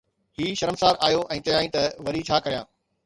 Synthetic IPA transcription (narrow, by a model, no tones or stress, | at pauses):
ɦiːʃɐɾəmsaːɾʔaːjoʔɛ̃ːt͡ɕɐjaːĩːt̪ɐʋɐɾit͡ɕʰaːkɐɾijãː